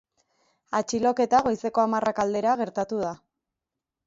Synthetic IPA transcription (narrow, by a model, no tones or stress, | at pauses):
at͡ʃilo̞ke̞t̪aɣ̞o̞jse̞ko̞amarʔakald̪e̞ɾaɣ̞e̞ɾt̪at̪uð̞a